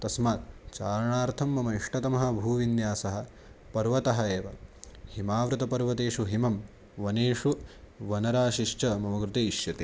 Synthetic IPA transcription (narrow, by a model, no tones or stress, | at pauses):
t̪ɐsmaːt̪t͡ʃaːɾɐɳaːɾt̪ʰɐmːɐmɐiʂʈɐt̪ɐmɐɦɐ̆bʱuːʋinjaːsɐɦɐ̆ | pɐɾʋɐt̪ɐɦɐeːʋɐhimaːʋɾut̪ɐpɐɾʋɐt̪eːʂuɦimɐm | ʋɐneːʂu | ʋɐnɐɾaːʃiʃt͡ʃɐmɐmɐɡɾut̪eːiʃjɐt̪eː